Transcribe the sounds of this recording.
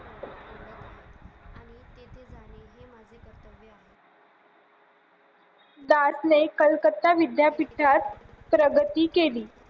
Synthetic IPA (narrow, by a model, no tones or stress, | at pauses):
d̪asnekəlkət̪ːaʋid̪japiʈʰat̪̚ | pɾəɡət̪iːkeliː